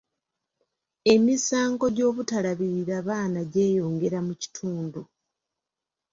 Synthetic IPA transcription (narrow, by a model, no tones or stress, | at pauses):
e̞misaːŋɡo̞ɟo̞ːβutalaβiɾiɾaβaːnaɟe̞ːjo̞ːŋɡe̞ɾamuci̥tʰuːndu